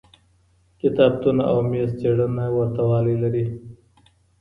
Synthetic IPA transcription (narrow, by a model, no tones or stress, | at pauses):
kɪt̪ɑːb̚t̪unaʔawmest͡seːɽanawɐɾt̪awɑːlilaɾi